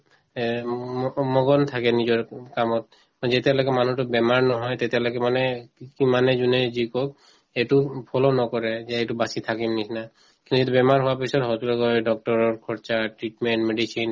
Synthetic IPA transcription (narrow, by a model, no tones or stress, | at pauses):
mɔɡɔnt̪ʰakɛnizɔɹkamɔt̚ | mɔzɛt̪ɛlɔɡɛmanutʊbɛmaɹnɔɦɔjt̪et̪ɛlɔɡɛmanɛkimanɛzunɛzikɔk̚ | etupʰɔlɔnɔkɔɹɛzɛetubasit̪ʰakimnisna | kĩnt̪uzitubɛmaɹɦuwapisɔtɦɔtulɔɡɔjɖɔk̚ʈɔɹɔɹkʰɔɹt͡ʃaʈɹitmɛɳʈmeɖisin